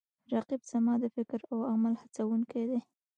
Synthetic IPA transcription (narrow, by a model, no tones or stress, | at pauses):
ɾaqibz̥amɑd̪əfɪkɾawamalhat͡sawuŋked̪e